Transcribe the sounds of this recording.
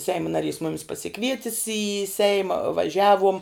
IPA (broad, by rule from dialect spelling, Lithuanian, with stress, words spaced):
ˈsʲɛɪmʊ nɐˈrʲiːs ˈmʊmʲɪs pɐsʲɪˈkʋʲiɛtʲɪs iː ˈsʲɛɪmɐ ʋɐˈʒʲæːʋuɔm